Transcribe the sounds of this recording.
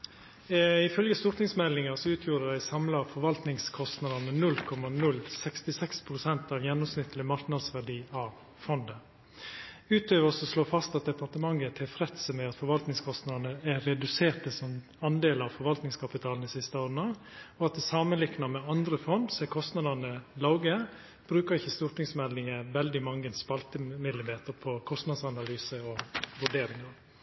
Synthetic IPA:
ɪfœlɡəst̪ʊɾt̪nɪŋsmɛlːɪŋɑsɔʉːt̪ʰjuːɾədæɪsɑmlɑfɔɾʋɑlt̪nɪŋskʰɔst̪nɑd̪ənmənʉlkʰɔmːɑnʉlːsɛkst̪ɪsɛkspʰɾʊsɛnt̪ɑʋjɛnːɔmsnɪt̪ːəlɪmɑɾknɑd̪sʋæɖiːɑʋ | fɔnd̪ə | ʉːt̪ʰøːʋəsɔsloːfɑst̪ɑt̪̚d̪ɛpɑɾt̪əmɑŋːət̪ʰːɛfɾɛt̪səmɛɑt̪fɔɾʋɑlt̪nɪŋskʰɔst̪nɑd̪nəæɾɛd̪ʉseːʈəsɔm | ɑnd̪eːlɑʋfɔɾʋɑlt̪nɪŋskʰɑpɪt̪ʰɑːln̩d̪ɪsɪst̪əoːɾənɑ | ɔɑt̪̚d̪ɛsɑːmənlɪknɑmɛɑnd̪ɾəfɔnd̪sɔɛkʰɔst̪nɑd̪ənəlɑʊɡəə | b̥ɾʉːkəɾɪçəst̪uːɾʈ̪ɪŋsmɛlɪŋəʋɛld̪ɪmɑŋːəɛnspɑlt̪əmɪd̪lɪmeːt̪əɾpʰɔkʰɔst̪nɑd̪sɑnɑlyːsəɔʋʉɖeːɾɪŋɑɾ

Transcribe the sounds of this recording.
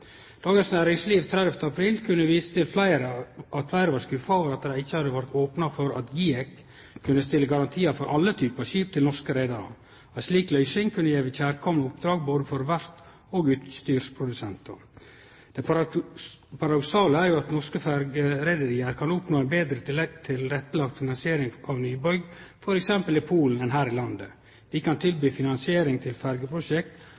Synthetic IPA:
d̪̥ɑːɡənsnæːɾɪŋsliːʋt̪ʰɾɛd̪ɛft̪ʰəɑpʰɾiːlkʰʉnːəʋiːsə̥t̪ʰɪlflæɪɾəɑt̪flæɪɾəʋɑɾskʉfɑoːʋəɾɑt̪̚d̪dæɪçːəhɑd̪əʋæɾt̪oːpnɑfɔɾɑ̰t̪ɡiːɛkʰː | ʉnəst̪ɪlːəɡɑɾɑnt̪ʰiːɑfɔɾʔɑlːət̪ʰyːpɑɕyːp̚t̪ʰɪlnɔʂkəɾæɪd̪ɑɾɑ̰ | æsliːklœʏsɪŋkʰʉnːəjɛʋəçæːɾkʰɔmnəʊpd̪ɾɑːɡ̚boːd̪əfɔɾʋæɾt̪ | oːɡʉːt̪st̪yːɾspʰɾʊd̪ʉsɛnt̪ɑ̰ | d̪̥ɛ | pʰɑɾɑd̪ʊksɑːləæɾjʊɑt̪nɔʂkəfæɾɡəɾɛɪd̪əɾɪːəɾkʰɑnʊpnoːɛnbeːd̪ɾət̪ʰɪlɛkt̪ʰɪlɾɛt̪ːəlɑɡt̪fɪnɑnsɪeːɾɪŋɑʋnyːbœʏɡfɔɾɛksɛmpəlɪpʰuːln̩ɛnɦæːɾɪlɑnd̪ə | d̪̥ɪkʰɑnt̪ʰɪlbyːfɪnɑnsɪeːɾɪŋt̪ʰɪlfæɾɡəpʰɾʊʃɛkt̪

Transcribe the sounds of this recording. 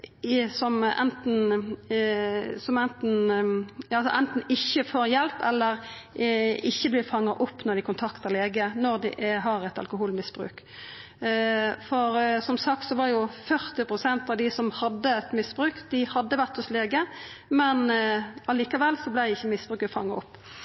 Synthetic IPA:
sɔmɛ̰nt̪n̩ | sɔmɛnt̪n̩ | ɑlsɔ̰ʔɛnt̪n̩ɪçːəfoːɾjɛlpɛlːəɾ | ɪçːəblɪfɑŋːɑʔʊpːnɔɾd̪ɪkʊnt̪ʰɑkt̪əɾleːɡənɔʁd̪ɪ̰ʔɦɑɾɛt̪ɑ̰lkʊɦuːlmɪsb̥ɾʉ̰ːk | fɔɾsɔmsɑk̚t̪sɔʋɑɾjʊfœʁt̪ɪpʁʊsɛnt̪ɑʋd̪ɪsɔmhɑd̪ːəɛt̪mɪsbɾʉːkd̪ɪhɑd̪ːəʋæʁt̪ɔsleːɡəmɛnɑliːkɑʋɛlːsɔblæɪd̪ɪçːəmɪsbɾʉːkəfɑ̰ŋːɑʔʊpː

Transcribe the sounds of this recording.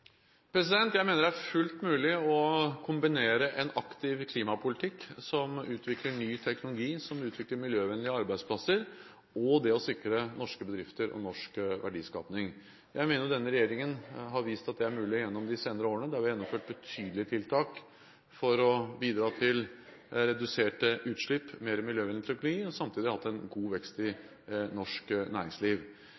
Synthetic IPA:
pʰɾɛs̬ɪd̪ɛnt̪jæɪmeːnəɖæɾfʉlt̪mʉːlɪɔkʰʊmbɪneːɾəʔɛnɑkt̪ɪʋkʰliːmɑpʰʊlɪt̪ʰɪkːsɔmʉːt̪ʰʋɪkləɳyːt̪ʰɛknʊlʊɡiːsɔmʉːt̪ʰʋɪkləɾmɪljøːʋɛnlɪəɑɾbæɪd̪spʰlɑsəɾ | ɔd̪ɛɔsɪkɾənɔʂkəbəd̪ɾɪft̪əɾʔɔ̰nɔʂkʋæ̰ɖiːskɑ̰ːpnɪŋ | jæɪmeːnəɾʊd̪ɛnːəɾɛjeːɾɪŋənɦɑɾʋiːst̪ɑt̪̚d̪ɛæɾmʉːlɪjɛnːɔmd̪ɪseːnəɾəoːɾənəd̪ɛhɑɾʋɪjɛnːɔmføːʈ̚bət̪ʰyːd̪l̩ɪət̪ʰɪlt̪ʰɑːk | fɔɾɔbiːd̪ɾɑːt̪ʰɪl | ɾɛd̪ʉseːʈəʔʉːt̪ʂɭɪpːmeːɾəmɪljøːʋɛnlɪt̪ʰɛknʊɡiːɔsɑmt̪ʰiːd̪ɪhɑt̪ːæɪnɡuːʋɛkst̪ɪ | nɔʂknæ̰ːɾɪŋsliːʋ

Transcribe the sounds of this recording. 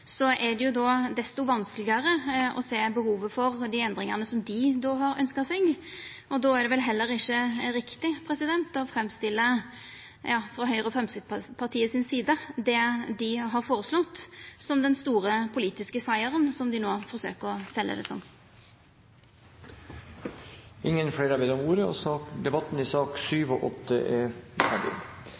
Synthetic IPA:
sɔʔɛɖ̪ɛjʊd̪ɔːd̪ɛst̪ʊʋɑnsklɪɡɑɾəʔɔ̰seːbəhuːʋəfɔɾd̪ɪɛnd̪ɾɪŋɑʁnəsɔmd̪ɪd̪oːɦɑɾœ̰nskɑsɛɡ | ɔd̪oːæɖ̪ɛʋɛlɦɛlːəɾɪçːəɾɪkt̪ɪpʰɾɛsɪd̪ɛnt̪ɔfɾɛmst̪ɪlːə | jɑːfɾɑɦœʏɾəɔfʁɛmsɪkt̪pʰɑt̪ʰiːəsɪnsiːd̪əd̪ɛd̪ɪɦɑɾfoːɾəslɔt̪ːsɔmd̪ɛnst̪uːɾəpʰʊliːt̪ɪskəsæɪəɾənsɔmd̪ɪnoːfɔɾsø̰ːkəʁɔsɛlːə̰d̪ɛ̰sɔ̰mː | ʔɪŋːənfɽeːɾɑʋeːd̪ɔmuːɾəɔ̰sɑːkd̪ɛbɑt̪ːn̩ɪsɑːkʂyːʋɔʔɔt̪ːə̰ʔɛfæɖɪ̰

